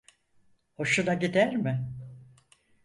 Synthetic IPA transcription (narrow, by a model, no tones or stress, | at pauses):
ho̞ʃunaɟid̪æɾmɪ